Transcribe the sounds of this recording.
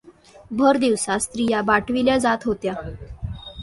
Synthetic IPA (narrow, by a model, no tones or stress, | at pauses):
bʱəɾd̪iʋsast̪ɾijabaʈʰʋiljad͡zat̪ɦot̪ja